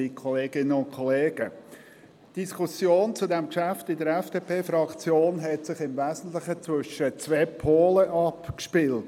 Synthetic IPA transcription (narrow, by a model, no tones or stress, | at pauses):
ikʰɔleːɡ̥ɪnəʊnkʰɔleːɡ̥ə | d̥iskʰʊsjoːnt͡sʊdɛmkʃæftɪdəɾɛfd̥epʰeːfɾɑkt͡sjoːnɦɛtsɪχɪmvæːzn̩tlɪχət͡svʏʃət͡svɛːpʰoːləʔɑpkʃpɪlt